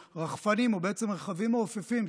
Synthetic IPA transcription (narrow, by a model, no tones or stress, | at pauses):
ʁaχfanimobeet͡semʁeχavimoːfefim